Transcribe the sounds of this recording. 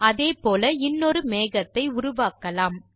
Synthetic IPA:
ɐðeːpoːlɐɪnːɔɾɯmeːɣɐt̪ːɐɪʊɾʊʋaːkɐlaːm

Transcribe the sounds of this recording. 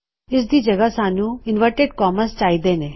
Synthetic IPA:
ɪs̬d̪iːd͡ʒɐɡasaːnũɪnʋəɾʈeɖkɔːmənst͡ʃaːid̪eːneː

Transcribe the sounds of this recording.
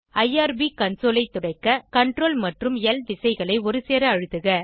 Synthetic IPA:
ɐjaːɾbikɐnsoːlɐɪt̪ːʊɽɐɪkːɐkɐɳʈroːlmɐʈrɯmɪɛlʋɪsɐɪɣɐɭɐɪɔɾɯseːɾɐːɻɯðɯɣɐ

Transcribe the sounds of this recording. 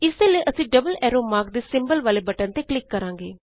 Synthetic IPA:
ɪsd̪eləiʔəsĩːɖəbəlɛːɾoːmaːɾk̚d̪eːsɪ̃mbəlʋaːlebɐʈə̃nt̪eklɪkːɐɾãːŋɡeː

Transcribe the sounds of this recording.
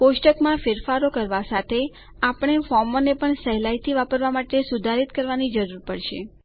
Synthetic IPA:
poʃʈəkmãfɪɾfaɾokəɾʋasat̪ʰe | apɳ̃efɔɾmonepəɳsəɦlajt̪ʰiʋapəɾʋamaʈesud̪ʱaɾit̪kəɾʋanid͡ʒəɾuɾpəɽʃe

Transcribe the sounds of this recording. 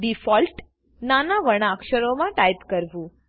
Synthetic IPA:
ɖifɔlʈ | nanaʋəɽ̃akʃəɾomãʈajt̪kəɾʋũ

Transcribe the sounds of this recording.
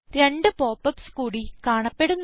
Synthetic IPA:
ɾe̞ɳɖɨpo̞ːpːɐpskuːɽikaːɳɐpːe̞ɽunː

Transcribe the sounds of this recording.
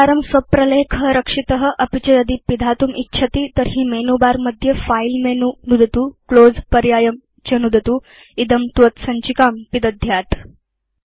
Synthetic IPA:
aɾəmsʋɐpɾɐlekʰəɾəkʂit̪əɦəʔɐpit͡ɕɐjəd̪iːpid̪ʱat̪uːmʔitːɕʰɐt̪iːt̪əɾɦiːmenubaɾməd̪ʱjəfailmenunud̪ʱɐt̪uːklod͡zpəɾjaːjəm | t͡ɕɐnud̪ʱɐt̪uː | id̪əmt̪ʋət̪sɐɲt͡ɕikampid̪ɐd̪ʱjat̪

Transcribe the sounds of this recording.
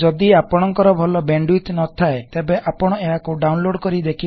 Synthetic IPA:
d͡ʒɔd̪iapɔɽ̃ɔŋkɔɾɔbʱɔlɔbeɳɖwuit̪nɔt̪ʰaet̪ebeʔapɔɽ̃ɔeɦakuɖawnloɽkɔɾid̪ekʰi

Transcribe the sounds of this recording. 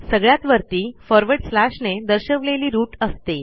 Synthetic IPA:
səɡɭjat̪ʋəɾt̪iːfɔɾʋəɖslaʂned̪əɾɕəʋleliːɾuːʈəst̪e

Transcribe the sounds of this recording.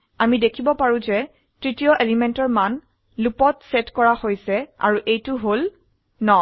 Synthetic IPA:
amidekʰibɔpaɹũzɛ | tɹitijɔʔelimɛntɔɹman | lupɔtsɛtkɔɹahojsɛa̰ɹuʔejtʊɦol | nɔ

